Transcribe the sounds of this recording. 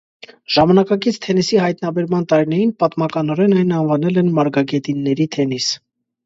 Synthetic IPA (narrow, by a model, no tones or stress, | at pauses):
ʒ̥ɑmɑnɑkɑkit͡sʰt̪ʰɛnisiɦɑjt̪nɑbɛɾmɑnt̪ɑɾinɛɾinpɑt̪mɑkɑnɔɾɛnɑjnɑnvɑnɛlɛnmɑɾɡɑɡɛt̪inːɛɾit̪ʰɛnis